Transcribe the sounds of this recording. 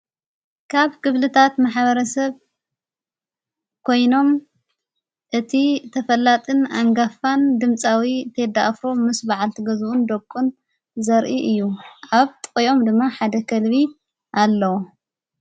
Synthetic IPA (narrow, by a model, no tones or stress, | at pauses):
kʰaβkɨβlɨt̪ʰat̪maħβɐɾɐsɐβ | kʰo̞jno̞m | ʔɨt̪ʰit̪ʰɐfɐlːat̪ʼɨnaŋɡafand̪ɨmt͡sʼawit̪ʰed̪aʔfɾo̞mɨsbaʕalt̪ʰiɡɐzuʔund̪ɐkʼːun | zɐɾʔiʔɨjːuʔaβt̪ʼkʼjo̞md̪ɨmːaħad̪ɐkʰɐlβi | ʔalːɐwo